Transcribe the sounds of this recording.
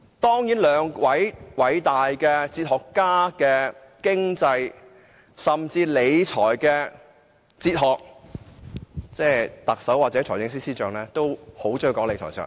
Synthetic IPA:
t̪ɔː˥ŋjiː˨˥nlœː˨˧ŋwɐ˨˥jwɐ˨˥jt̪aː˨˩jkɛː˧t͡siː˧t̚hɔː˨kːaː˥kɛː˧ | kɪ˥ŋt͡sɐ˧j | sɐ˨mt͡siː˧le˨˧jt͡ʃʰɔ̰ː˨˩jkɛ˧ | t͡siː˧t̚ɦɔː˨k̚ | t͡sɛː˥˧˩t̪ɐ˨k̚sɐ˨˥waː˨t̚t͡sɛː˨˥t͡sʰɔː˨˩jɪ˨˥ŋsiː˥siː˥t͡ʃœː˨˧ŋlɛː˥t̪o˥who˨˥wt͡ʃœː˥wkɔː˨˧˥le˨˧jtʰɔ̰ː˨˩sʰœ̰ː˨˩ŋ

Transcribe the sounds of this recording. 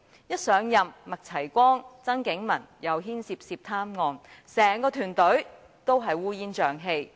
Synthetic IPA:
jɐ˥t̚sœː˨˧ŋjɐ˨mmɐ˨k̚t͡sʰɐ˨˩jkʷɔː˥ŋt͡sɐ˥ŋkɪ˨˥ŋmɐ̰˨˩njɐ˨˧wɦiː˥nsiː˧p̚siː˧p̚t̪ʰaː˥mŋɔː˨˧nsɛː˨˩ŋkɔː˧t̪ʰyː˨˩nt̪ɵ˨˥ɥ | t̪o˥wɦɐ˨jwuː˥jiː˥nt͡ʃœː˨ŋɦe˧j

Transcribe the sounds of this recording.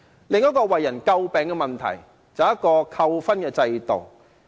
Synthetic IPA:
lɪ˨ŋjɐ˥t̚kɔː˧wɐ˨jːɐ˨˩nkɐ˧wpɛː˨ŋkɛ˧mɐ˨˩nt̪ʰɐ̰˨˩j | t͡sɐ˨˧wjɐ˥t̚kːɔː˧kʰɐ˧wfɐ˥nkɛː˧t͡sɐ˧jt̪o̰˨˩w

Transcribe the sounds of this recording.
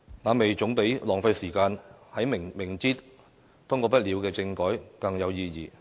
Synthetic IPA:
naː˨˧me˨jt͡ʃʊ˨˥ŋpe˨˥jlɔː˨˩ŋfɐ˧jsiː˨˩kaː˧nhɐ˨˥jmɪ˨ŋmɪ˨˩ŋt͡siː˥t̚ | t̪ʰʊ˥ŋkɔː˧pɐ˥t̚liː˨˧wkɛː˧t͡sɪ˧ŋkɔː˨˥jkɐ˧ŋjɐ˨˧wjiː˧jiː˨˩

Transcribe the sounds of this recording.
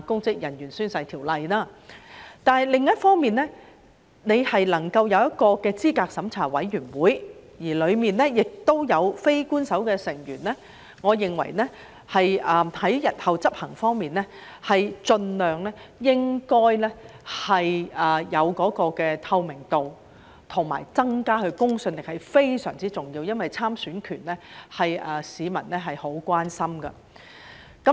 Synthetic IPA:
kʊ˥ŋkɪ˥k̚jɐ˨˩njyː˨˩nsyː˥nsɐ˧jt̪ʰiː˨˩wlɐ˨jnaː˥ | t̪aː˨nɦɐ˨˩jlɪ˨ŋjɐ˥t̚fɔː˥ŋmiː˨nlɛ˥ | ne˨˧jhɐ˨jlɐ˨˩ŋkɐ˧wjɐ˨˧wjɐ˥t̚kɔː˧kɛː˧t͡siː˥kaː˧k̚sɐ˨˥mt͡sʰaː˨˩wɐ˨˥jɥyː˨˩nwuː˨˥jjiː˨˩lɵ˨˧ɥmiː˨nlɛː˥jɪ˨k̚t̪o˥wjɐ˨˧wfe˥jkuː˥nsɐ˨˥wkɛː˧sɪ˨˩ŋjyː˨˩nlɛː˥ | ŋɔː˨˧jɪ˨ŋwɐ̰˨˩jnɛ˥ | hɐ˨jɐː˨hɐ˨˥jjɐ˨t̚hɐ˨wt͡sɐ˥p̚hɐ˨˩ŋfɔː˥ŋmiː˨nlɛ˥ | hɐ˨jt͡sɵ˧nlœː˨ŋlɛː˥jɪ˥ŋkɔː˥jlɛː˥hɐ˨jɐː˨jɐ˨˧wkɔː˨˥kɔː˧kɛː˧t̪ʰɐ˧wmɪ˨˩ŋt̪o˨w | t̪ʰʊ˨˩ŋma̰ː˨˩jt͡sɐ˥ŋkaː˥ɦɵ˧ɥkʊ˥ŋsɵ˧nlɪ˨k̚hɐ˨˩jfe˥jsœ̰ː˨˩ŋt͡siː˥t͡sʊ˨ŋjiː˧wjɐ˥nwɐ˨jt͡sʰaː˥msyː˨˥nkʰyː˨˩nlɛ˥hɐ˨jɐː˨siː˨˧mɐ̰˨˩nlɛ˥ɦɐ˨jho˨˥wkʷaː˥nsɐ˥mkɐ̰˧ | kɐ˨˥

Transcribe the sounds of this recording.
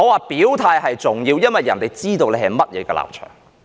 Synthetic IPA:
ŋɔː˨˧waː˨˩pi˨˥wt̪ʰaː˧jɦɐ˨jt͡sʊ˨ŋjiː˧wjɐ˥nwɐ˨jːɐ̰˨nt̪e˨˩jt͡siː˥t̪o˧wle˨˧hɐ˨jmɐ˥t̚jɛ̰ː˨˧kɛː˧la̰ː˨p̚t͡ʃʰœ̰ː˨˩ŋ

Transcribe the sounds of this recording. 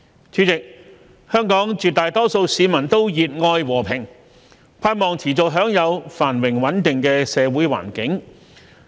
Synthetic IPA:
t͡sʰyː˨˥t͡sɪ˨k̚ | hœː˥ŋkɔː˨˥ŋt͡ʃyː˨t̚t̪aː˨jt̪ɔː˥so˧wsiː˨˧mɐ˨˩nt̪o˥wjiː˨t̚ŋɔː˧jwɔː˨˩pʰɪ˨˩ŋ | pʰaː˧t̚mɔː˨ŋt͡sʰiː˨˩t͡sʊ˨k̚ɦœː˨˥ŋjɐ˨˧wfaː˨˩nwɪ˨˩ŋwɐ˨˥nt̪ɪ˨ŋkɛː˧sɛː˨˧wuː˨˥jwa̰ː˨˩nkɪ˨˥ŋ

